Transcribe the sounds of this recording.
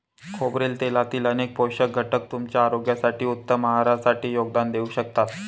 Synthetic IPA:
kʰobɾiːlt̪elat̪iːlənek̚powɕək̚ɡʱəʈək̚t̪umt͡ɕjaːɾoɡjasaʈiːut̪ːəməɦaɾasaʈiːjoɡ̚d̪and̪euːɕək̚t̪at̪

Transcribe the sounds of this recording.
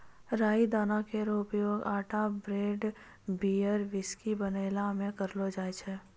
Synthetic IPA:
ɾaːid̪aːnakeɾoʊpjoːɡaːʈʰabɾeːɖ | biːəɾʋɪskibəneːlamẽkəɾlod͡ʒaːet͡ʃʰe

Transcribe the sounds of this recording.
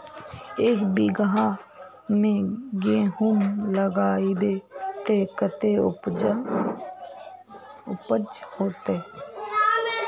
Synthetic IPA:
eːkbiɡɦã | mẽɡeːɦumləɡaːib̪et̪eːkət̪eʊ | ʊpəd͡ʒhoːt̪eː

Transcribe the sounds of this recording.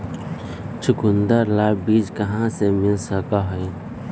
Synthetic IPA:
t͡ʃʰʊkʊnd̪əɾlaːbiːd͡ʒkəɦãsemɪlsəkaɦoi

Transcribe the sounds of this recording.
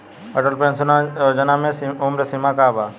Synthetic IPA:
əʈəlpẽːnsnad͡ʒɐnamẽʊmɾesimaːkaːbaː

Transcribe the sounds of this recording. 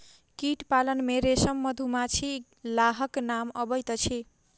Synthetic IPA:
kiʈpalʌnmeɾesʌmːʌd̪ʱumat͡sʰi | laɦʌknamʌbʌjt̪ʌt͡sʰi

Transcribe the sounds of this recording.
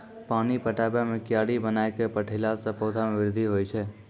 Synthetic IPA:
paːnipəʈabjamekɪjaːɽibənaekepəʈʰːlasə̃poːd̪ʱameʋɪɾd̪ʱiɦojt͡ʃʰɛ

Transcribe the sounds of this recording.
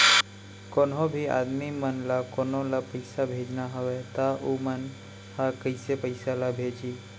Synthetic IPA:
koːnɦõbʱia̰ːd̪mimənlakoːnõlapəɪsabʱeːd͡ʒnaɦəʋet̪aʔumən | hakəɪsepəɪsalabʱeːd͡ʒiː

